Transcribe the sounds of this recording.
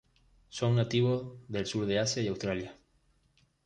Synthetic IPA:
soŋnat̪iβ̞ozðe̞lsuɾðeasjaiawst̪ɾalja

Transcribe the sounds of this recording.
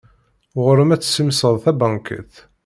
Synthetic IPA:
ʁəɾəmæt͡sːsimsəðˤθæbɑŋkə̰θ

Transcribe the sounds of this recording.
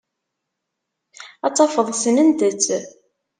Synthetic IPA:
ɑt͡sˤːɑfəðˤsənənd̪ət͡sː

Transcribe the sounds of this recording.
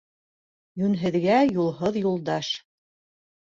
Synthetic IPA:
jʉnɦɘ̆ðɡæjulˠɦoðjulˠd̪ɑʃ

